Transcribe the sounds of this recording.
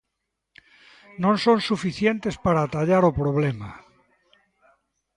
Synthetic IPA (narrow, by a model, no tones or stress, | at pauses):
nõnsõnsufiθjent̪espaɾaːt̪aʎaɾopɾoβ̞lema̰